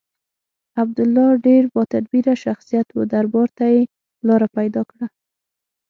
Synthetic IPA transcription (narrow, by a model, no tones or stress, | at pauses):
ab̚d̪ʊlːɑɖeɾbɑt̪ad̪biɾaʃaxsijat̪wə̰d̪aɾbɑɾt̪aje | lɑɾapajd̪ɑkɽa